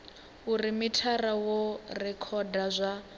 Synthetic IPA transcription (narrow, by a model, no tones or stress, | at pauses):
urimitʰarawɔrɛkʰɔdazʷa